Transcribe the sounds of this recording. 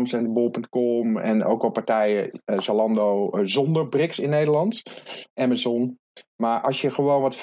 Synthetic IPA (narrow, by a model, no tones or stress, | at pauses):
msɛndəbolˠpøŋt̚kɔmɛ̰no̰ːwkʋɛlˠpaɹtɛjəsalɑndoːzɔndərbrɪksɪnːeːdəlɑntʔɛməzɔn | maɹʔɑsjəχəʋoːnʋɔtf